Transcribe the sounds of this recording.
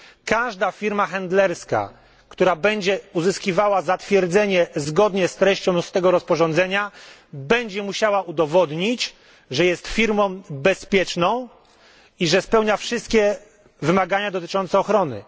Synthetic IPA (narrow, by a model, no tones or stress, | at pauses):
kaʐd̪afʲiɾmaxɛnd̪lɛɾska̰ | kt̪uɾabɛɲd͡ʑɛuzɘskʲivawazat̪fʲjɛɾd̪zɛɲɛzɡɔd̪ɲɛst̪ɾɛɕt͡ɕɔ̃w̃st̪ɛɡɔɾɔspɔʐɔ̃nd̪zɛɲabɛɲd͡ʑɛmuɕawaʔud̪ɔvɔd̪ɲit͡ɕ | ʐɛjɛst̪fʲiɾmɔ̃w̃bɛspʲjɛt͡ʂnɔ̃w̃ | iʐɛspɛwɲafʂɨst̪kʲɛ | vɘmaɡaɲad̪ɔt̪ɘ̥t͡ʂɔnt̪sɛɔxɾɔnɘ̰